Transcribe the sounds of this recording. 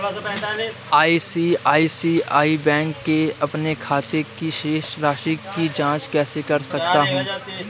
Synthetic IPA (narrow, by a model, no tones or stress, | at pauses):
aːisiaːisiaːibɛ̃ːŋkːeɐpnekʰaːt̪ekiʃeːʃɾaːʃiid͡ʒãːt͡ʃkɛːsekɐɾsɐk̚t̪aɦũː